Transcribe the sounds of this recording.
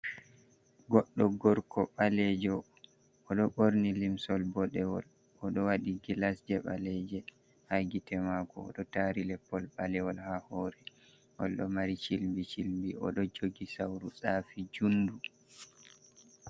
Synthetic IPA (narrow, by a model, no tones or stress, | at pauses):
ɡɔɗːɔɡɔɾkʰɔɓalɛd͡ʒɔ | ʔɔɗɔɓoɾnilimsɔlbɔɗɛwɔl | ɔɗɔwaɗiɡilasd͡ʒɛɓa̰lɛd͡ʒɛ | haɡitɛmakɔɔ̰ɗɔtaɾilɛpːɔlɓalɛwɔlhahɔːɾɛ | ʔɔlɗɔmaɾit͡ʃilmbit͡ʃilmbiɔ̰ɗɔd͡ʒoɡisawɾusafid͡ʒundu